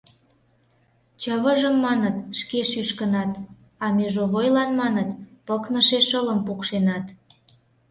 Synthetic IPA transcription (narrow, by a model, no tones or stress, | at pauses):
t͡ɕəβəʒəmːɑnət̪ʃkeʃyʃkənɑt̪ | ɑmeʒoβojlɑnmɑnət̪pəknəʃeʃələmpukʃenɑt̪